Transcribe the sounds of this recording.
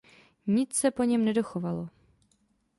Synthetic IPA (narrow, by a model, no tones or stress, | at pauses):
ɲɪt͡ssɛpo̞ɲɛmnɛdo̞xovalo